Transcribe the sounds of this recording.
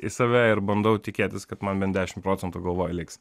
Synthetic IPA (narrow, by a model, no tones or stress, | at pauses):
ɪsɐʋʲæɪɾbɐnd̪ɐʊt̪ʲɪkʲeːt̪ʲɪskɐt̪mɐnbʲɛnd̪ʲæːʃʲɪmtpɾoːt͡sʲɛnt̪uɡɐlˠʋoːjɛlʲɪks